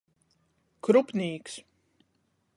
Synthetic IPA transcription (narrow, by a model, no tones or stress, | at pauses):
kɾupniːks